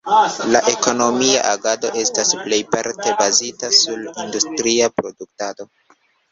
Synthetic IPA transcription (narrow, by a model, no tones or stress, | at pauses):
laʔe̞ko̞no̞mia̰ʔaɡado̞ʔe̞stasple̞jpaɾte̞bazitasulindustɾiapɾo̞duk̚tado̞